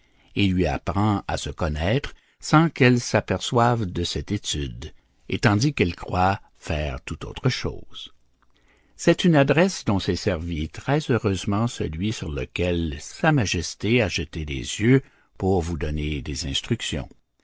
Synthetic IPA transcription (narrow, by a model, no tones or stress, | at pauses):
ilɥia̰pʁɑ̃a̰səkɔnɛːt̪ʁ | sɑ̃kɛlsapɛʁswavd̪əsɛt̪et̪yd̪ | et̪ɑ̃d̪ikɛlkʁwa | fɛːʁt̪ut̪o̰ːt̪ʁəʃo̰ːz̥ | sɛt̪ynad̪ʁɛsd̪ɔ̃sɛsɛʁvit̪ʁɛzøʁøzmɑ̃sə̰lɥisyʁlə̰kʲɛlsamaʒɛst̪eaʒət̪ed̪ḛzjø | puʁvud̪ɔned̪ezɛ̃st̪ʁyksjɔ̰̃